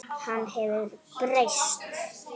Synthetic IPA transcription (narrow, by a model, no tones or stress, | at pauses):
hanːɦɛvʏɾprejst̪